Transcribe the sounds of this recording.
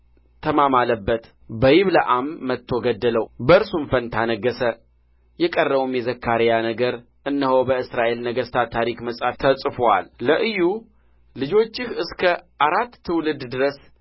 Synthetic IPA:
t̪ʰəmamaləbːət̪ | bəjɪβləʔamːət̪ʰːo̞ɡəd̪ːələwbəɨɾsumfənt̪ʰanəɡːəsə | jɛkʼərːəβumjɛzəkʰːaɾjanəɡəɾ | ʔɨnːəho̞bəɨsɾaʔe̞lnəɡəst̪ʰat̪ʰaɾikməsʼaft̪ʰəsʼfowa̰lːəʔɨjːu | lɨd͡ʒo̞t͡ʃːɪhɨskʰə | aɾat̪ːʰɨwlɨd̪d̪ɨɾəs

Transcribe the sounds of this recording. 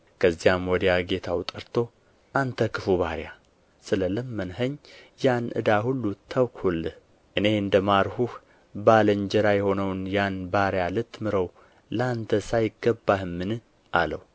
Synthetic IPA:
kʰəzːijamwɔd̪əjaɡe̞t̪ʰawt̪ʼɨɾt̪ʰo̞ | ʔant̪ʰəkʰɨfuβaɾja | sɨlələmːənɦəɲːjanʔɨ̰d̪aɦulːut̪ʰːawkhulːɨh | ʔɨne̞ɨnd̪əmaɾhuh | baləɲd͡ʒɛɾajɛho̞nəwnjanbaɾjalɨt̪ʰːmɨɾəw | ləant̪ʰəsajɪɡːəbːahɨmːɨnɨ | ʔalə̰w

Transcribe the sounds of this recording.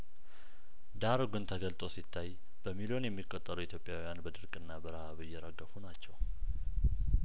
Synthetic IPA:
d̪aɾoɡɨnt̪ʰəɡəlt̪ʼo̞sit̪ʰːaj | b̥əmilo̞njɛmːikʼːot̪ʼːəɾuit̪ʰjo̞pʼjawijanbəd̪ɨɾkʼɨnːabəɾəhaβɨjːɛɾəɡːəfunat͡ʃːɛw

